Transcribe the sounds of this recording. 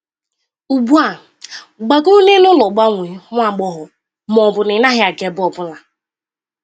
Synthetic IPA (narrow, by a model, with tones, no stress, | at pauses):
u˨bu˦a˨ | ɡ͡ba˨ɡu˦ne˦nʊ˦lɔ˨ɡ͡ba˦ŋʷe˨˦ŋʷ˦a˦˨ɡ͡bɔ˦ɦʊ˨ | mɔ˨bʊ˨nɪ˨na˦ɦɪ˦a˨ɡe˨bɔ˨bʊ˦la˨